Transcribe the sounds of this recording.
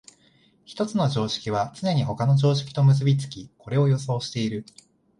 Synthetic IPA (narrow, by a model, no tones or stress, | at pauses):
çi̥t̪o̞t͡sɨno̞ʑo̞ːɕi̥kʲiβ̞at͡sɨne̞ɲ̟iɦo̞kano̞ʑo̞ːɕi̥kʲi̥t̪o̞mɯ̟s̬ɨbʲit͡sɨ̥kʲiko̞ɾe̞o̞jo̞so̞ːɕi̥t̪e̞iɾɯ̟